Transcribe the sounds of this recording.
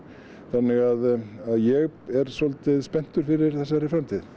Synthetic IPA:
θanːɪɣaðaðjɛɣɛɾ̥sɔlt̪ɪðspɛn̥t̪ʏɾ̥fɪɾɪɾ̥θɛsːaaɾɪfɾamt̪ʰið

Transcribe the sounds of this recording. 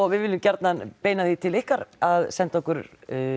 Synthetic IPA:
ɔɣvɪðvɪlɪmcɛɾt̪nanpeːjnaθit̪ʰɪlɪhkaɾaðsɛnt̪ɔkʏɾ

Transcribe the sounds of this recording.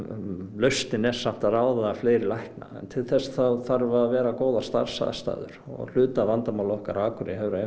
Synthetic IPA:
lœɥst̪ɪnɛ̥sam̥t̪aðaːwðaafleːɾɪlajhkna̰ɛ̰nt̪ʰɪlθɛsθaθaɾvaɾvɛːɾakoːwðḁst̪a̰ɾ̥sa̰ð̰st̪a̰ːðʏ̰ɾ̥ɔ̰ɣl̥ʏːt̪avant̪amawlɔhkaɾaːkʰʏɾɪɦɛvɾ

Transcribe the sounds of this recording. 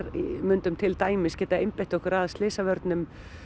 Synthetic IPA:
ɾimʏnt̪ʏmt̪ʰɪlt̪aːjmɪscɛːt̪aejmpeht̪ɔhkʏɾaðst̪ɪːsavœɾt̪nʏm

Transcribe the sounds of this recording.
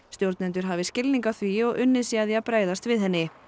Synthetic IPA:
st̪jowɾt̪nɛnt̪ʏɾ̥ɦavɪscɪlniŋkaθviɔɣʏnːɪsiaðjapɾaːjðast̪vɪðɦɛnːɪ

